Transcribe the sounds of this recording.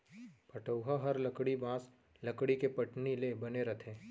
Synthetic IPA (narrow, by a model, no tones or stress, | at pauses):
pɐʈəʊɦaɦɐɾlɐkɽibãːs | lɐkɽikepɐʈnilebɐneɾɐt̪ʰẽː